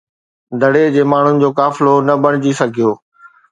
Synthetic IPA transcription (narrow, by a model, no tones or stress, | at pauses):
d̪ʱɐɽed͡ʑeːmaːɳ̤ʊnɪ̆d͡ʑoːkaːfɪlonɐbɐɽ̃ɪd͡ʑisɐɡʱijoː